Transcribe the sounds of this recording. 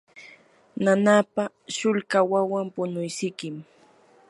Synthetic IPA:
nanaːpa | ʃʊʎkawawampʊnʊjsɪkɪm

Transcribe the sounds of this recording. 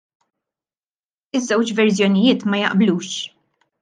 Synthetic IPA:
ɪzːɛwt͡ʃvɛɾsjɔnɪjɪːt̪mɐjɐ̰ʔbluːʃ

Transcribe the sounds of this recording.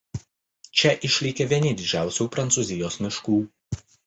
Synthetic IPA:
t͡ʃʲɛʔɪʃʲlʲiːkʲeʋʲiɛnʲɪd̪ʲɪd͡ʒʲæˑʊsʲuːpɾɐnt̪suzʲɪjoːsmʲɪʃkuː

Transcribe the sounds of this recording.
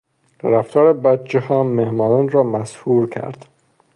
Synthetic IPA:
ɾæft̪ʰɒːɾebæt̪t͡ʃʰːehɒːmehmɒːnɒːnrɒːmæshuːɾkʰæ̰ɾd̪̥

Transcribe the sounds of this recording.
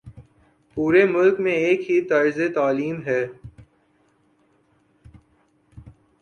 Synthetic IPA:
puːɾemʊlkmẽeːkɦit̪ɐɾzet̪aːliːmɦɛː

